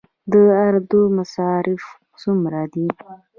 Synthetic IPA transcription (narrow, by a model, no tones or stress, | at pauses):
d̪əaɾd̪umasɑɾɪf | sumɾad̪i